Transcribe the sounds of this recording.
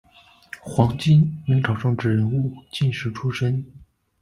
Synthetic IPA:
xwɑ˧˥ŋt͡ɕi˥ni˧˥ŋʈ͡ʂʰɑ˨˩ʊʈ͡ʂɤ˥˧ŋʈ͡ʂɻ̩˥˩ɻə˧˥nu˥˩t͡ɕi˥˩nʂɻ̩˧˥ʈ͡ʂʰu˥ʂə˥n

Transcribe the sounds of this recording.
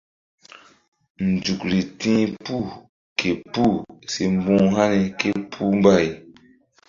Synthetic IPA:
n̩˨d͡ʒu˨kɾi˨tĩː˦pu˦˨ | kʰe˨pu˦˨se˨m˦bũː˦ɦa˦ni˨ke˦pʰu˦m˦ba˦˨j

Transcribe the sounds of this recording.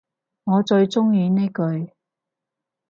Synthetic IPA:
ŋɔː˨˧t͡ʃɵ˧ɥt͡sʊ˥ŋjiː˧ne˥jkɵ˧ɥ

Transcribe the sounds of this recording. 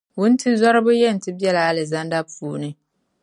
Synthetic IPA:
wʊ˦n̩˦tʰi˦zɔ˦ɾɪ˦bʊ˦jɛ˦˨n̩˨tɪ˦bi˦ɛ˦la˨a˨lɛ˨za˦nda˦puː˦nɨ̃˦

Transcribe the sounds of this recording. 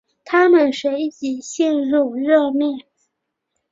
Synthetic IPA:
t̪ʰa˥mə˨˩nʂwe˧˥ɪt͡ɕi˨˩ɕi˥˧nɻu˥˩ɻɤ˥˧mjɛ˥˩n

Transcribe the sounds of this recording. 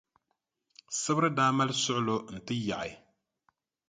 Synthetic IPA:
sɨ˦bɨ˦ɾɨ˦daː˦ma˦lsʊ˦ʔʊ˦lo˦n̩˨tɨ˦ja˨ʔa˨

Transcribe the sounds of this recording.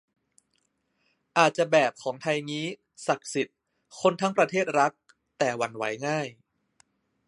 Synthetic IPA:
ʔaː˨˩t̪̚t͡ɕa˨˩bɛː˨˩p̚kʰɔː˩˦ŋt̪ʰa˧jŋiː˦˥ | sa˨˩k̚si˨˩t̪̚ | kʰo˧nt̪ʰa˦˥ŋpɾa˧t̪ʰeː˥˩t̪̚ɾa˦˥k̚ | t̪ɛː˨˩wa˧nwa˦˥jŋaː˥˩j

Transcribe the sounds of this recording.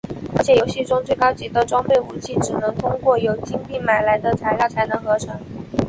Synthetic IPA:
ə˧˥t͡ɕʰjɛ˨˩jo˧˥ʊɕi˥˩ʈ͡ʂʊ˥ŋt͡swe˥˩kɑ˥ʊt͡ɕi˧˥d̪ə˧ʈ͡ʂwɑ˥ŋpe˥˩ɪu˨˩t͡ɕʰi˥˩ʈ͡ʂɻ̩˨˩nɤ˧˥ŋt̪ʰʊ˥ŋkwɔ˥˩jo˨˩ʊt͡ɕi˥ŋp̪i˥˩ma˨˩ɪla˧˥ɪd̪ə˧t͡sʰa˧˥ɪljɑ˥˩ʊt͡sʰa˧˥ɪnɤ˧˥ŋxɤ˧˥ʈ͡ʂʰɤ˧˥ŋ

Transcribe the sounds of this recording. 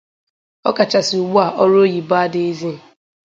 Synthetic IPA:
ɔ̰˦ka˨t͡ʃa˨sɪ˨u˨ɡ͡bu˦a˨ʔɔ˦ɾo˦ji˨ba˦dɪ˨˦e˦zi˦˨

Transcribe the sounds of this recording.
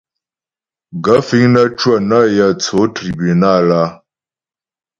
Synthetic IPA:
ɡa˨˦fi˦ŋnə˦t͡ʃwa˦˨na˦˨ja˨t͡so˨˦tɾi˨bi˨na˦˨la˦

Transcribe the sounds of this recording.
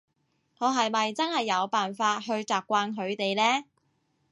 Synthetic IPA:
ŋɔː˨˧ɦɐ˨jmɐ˨jt͡sɐ˥nhɐ˨jːɐ˨˧wpaː˨nfaː˧t̚ɦɵ˧ɥt͡sɔː˨˩p̚kʷaː˧nɦɵ˨˧ɥt̪e˨jlɛː˥

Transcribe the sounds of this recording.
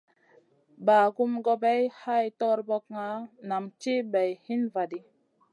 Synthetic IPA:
baː˨ɡu˦mɡo˧be˦jha˦jtɔ˦ɾbo˦kŋa˨˦na˨mt͡ʃi˦bɛ˨jhi˦nva˨di˦

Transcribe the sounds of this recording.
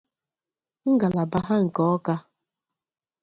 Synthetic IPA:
ŋ̩˦ɡa˨la˨ba˦ɦa˦ŋ̩˨kɔ˨˦ɔ˦ka˦

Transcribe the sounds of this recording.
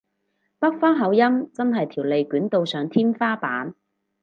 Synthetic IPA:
pɐ˥k̚fɔː˥ŋɦɐ˨˥wjɐ˥mt͡sɐ˥nɦɐ˨jt̪ʰiː˨˩wle˨jkyː˨˥nt̪o˨˧wsœː˨ŋt̪ʰiː˥mfaː˥paː˨˥n

